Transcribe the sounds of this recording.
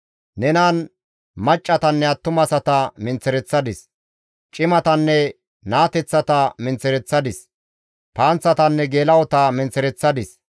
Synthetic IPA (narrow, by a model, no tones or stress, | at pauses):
nɛnaːn | mɐt͡ʃʼːɐt̪ɐnːɛɐt̪ːʊmɐsɐt̪ɐmɪnt͡sːɛɾɛt͡sːɐd̪ɪs | t͡ʃʼɪmɐt̪ɐnːɛ | naːt̪ɛt͡sːɐt̪ɐmɪnt͡sɛɾɛt͡sːɐd̪ɪs | paːnt͡sːɐt̪ɐnːɛɡeːlɐwɔt̪ɐmɪnt͡sɛɾɛt͡sːɐd̪ɪs